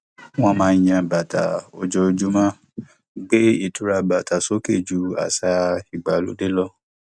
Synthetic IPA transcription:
w̃ɔ̃˧˦mãː˧j̃ã˧ba˨ta˨o˧d͡ʒɔ˧d͡ʒu˦mã˦ | ɡ͡be˦i˦˨tu˨˦ɾa˧ba˨ta˨so˦ke˦˨d͡ʒu˨˦a̰˨sa˧i˨ɡ͡ba˨lo̰˨˦de˦lɔ˧

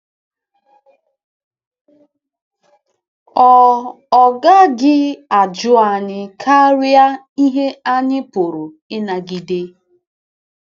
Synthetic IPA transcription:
ɔ˨ | ɔ˨ɡa˦ɡɪ˦a˨d͡ʒʊ˦a˨ɲɪ˦kʰa˦ɾja˦ | i˦ɦe˦a˦ɲɪ˦pʊ˨ɾu˨ | ɪ˦na˨ɡi˨de˦

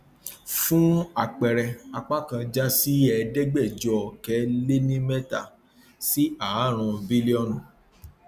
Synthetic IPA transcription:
fũ˦a˦˨k͡pɛ˨ɾɛ˧a˧k͡pa˦kã˧d͡ʒa˦si˦ɛ˧˨dɛ˦ɡ͡bɛ˦˨d͡ʒɔ˨kɛ˨˦le˦nĩ˦mɛ˦ta˦˨ | si˦a˨˦ɾ̃ũ˧bi˦li˦ɔ˦˨nũ˨

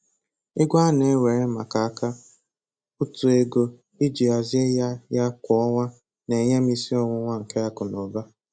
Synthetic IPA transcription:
ɪ˦ɡʷa˦ne˨˦we˨ɾɪ˦ma˨ka˨˦ka˦ | ʊ˦tu˨e˦ɡo˦ | i˦d͡ʒi˨a˨zɪ˦e˦ja˦ja˦kʷɔ˨ɔ˦ŋʷa˦ | ne˨ɲe˦m̩˦i˦si˦ɔ˦ŋʷʊ˦ŋʷa˦ŋ̩˨ke˦a˦kʊ˨no˨ba˦

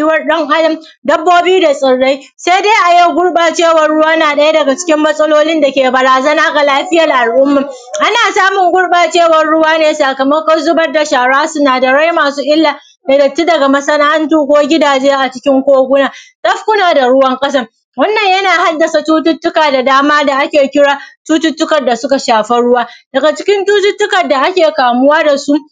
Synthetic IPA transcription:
jɪ˦wɐ˦rɗɐ˦ŋʔa˦lɪ˦m | dɐ˦bːoː˦biː˦da˨sʼɪ˨ɽːa˦j | sa˦jde˦ʔa˨ji˦˨ɡʷʊ˦ɽɓaː˨t͡ʃeː˦˨wɐ˨rɽʊ˦waː˦naː˨ɗɐ˦ja˦dɐ˨ɡa˨t͡ʃɪ̥˦kʲɪ˦mːɐ˦sʼɐ˦loː˦lɪ˦nda˨kʲeː˨bɐ˨ɾaː˨zɐ˦naː˦ɡa˨laː˦ɸɪ˦jɐ˨rʔa˨lʔʊ˦mːɐ˨ | ʔa˦naː˨saː˦mʊ˨ŋɡʷʊ˦ɽɓaː˨t͡ʃeː˦˨wɐ˨rɽʊ˦waː˦neː˨saː˨kɐ˨mɐ˦kɐ˦zʊ˦bɐ˦rda˨ʃaː˨ɽaː˦sʊ˦naː˨da˨ɽa˦jmaː˨suː˦ʔɪ˦lːaː˨ | da˨dɐ˨tːi˦dɐ˨ɡa˨mɐ˦sɐ˦na˦ɐ˦ntuː˦kʷoː˦ɡʲɪ˦daː˨d͡ʒeː˦ʔa˨t͡ʃɪ˦kʲɪ˦ŋkʷoː˦ɡʷʊ˦naː˨tɐ˦ɸkʷʊ˦naː˨da˨ɽʊ˦wɐ˦ŋkʼɐ˦s̬ɐ˦r | wɐ˦nːɐ˨ɲjɐ˦naː˨ha˦dːɐ˨sa˨tuː˦tʊ˦tːʊ˦kaː˨da˨daː˦maː˦da˨ʔa˦kʲeː˨kʲɪ˦ɽaː˦tuː˦tʊ˦tːʊ˦kɐ˨rda˨sʊ˦ka˨ʃaː˨ɸɛ˦ɽʊ˦waː˦d̥ɐ˨ɡa˨t͡ʃɪ˦kʲɪ˦ntuː˦tʊ˦tːʊ˦kɐ˨rda˨ʔa˦kʲeː˨kaː˨mʊ˦waː˦da˨su˦ʔ

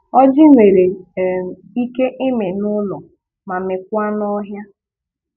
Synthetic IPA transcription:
ɔ˦d͡ʒɪ˦ŋʷe˨ɾe˨ | i˦ke˦ʔɪ˦me˨nʊ˦lɔ˨ | ma˨me˨kʷa˦nɔ˦ɦja˦

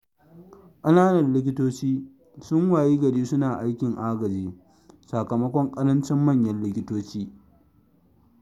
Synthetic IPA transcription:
ʔɐ˦naː˦nɐ˨nlɪ˦k̬ʲɪ˦toː˦t͡ʃiː˦ | sʊ˦ŋwaː˨jiː˦ɡɐ˨ɽiː˦sʊ˦naː˨ʔa˦jkʲɪ˨ŋʔaː˦ɡɐ˨d͡ʒiː˦ | sa˨kɐ˨mɐ˦kʷɔ˦ŋkʼɐ˦ɾɐ˦nt͡ʃɛ˦mːɐ˦˨ɲjɐ˦nlɪ˦kʲɪ˦toː˦t͡ʃiː˦

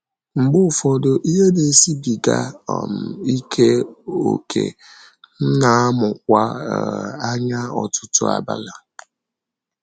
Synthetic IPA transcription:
ŋ͡m̩˨ɡ͡bʊ˦˨fɔ˨do˨ʔi˦ɦe˦de˨si˦bi˨ɡa̰˦˨m̩˨i˦kʰe˦o̰˨kʰḛ˨ | n̩˦na˨a˦mʊ˨k̚ʷa˦˨ | a˦ɲa˦ɔ̰˨tʊ˦tʊ̰˦a̰˨ba̰˦la˨

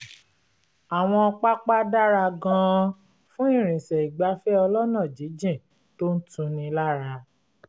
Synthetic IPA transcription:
a˨w̃ɔ̃˧ɔ˧k͡pa˦k͡pa˦da˦ɾa˧ɡã˦˧ | fũ˦ĩ˦˨ɾ̃ĩ˨sɛ˨i˨ɡ͡ba˨˦fɛ˦ɔ˧lɔ˦nã˦˨d͡ʒi˨˦d͡ʒĩ˦˨ | to˦n̩˦tũ˧nĩ˧la˦ɾa˧

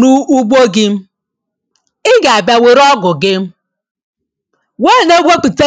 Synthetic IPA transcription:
nu˦u˦ɡ͡bo˦ɡɪ˦m̩˦ | ɪ˦ɡa˨a˨ba˨we˨ɾɔ˦ɡʊ˨ɡɪ˦m̩˦ | we˦˨ne˦ɡʷo˦k͡pu˨te˦

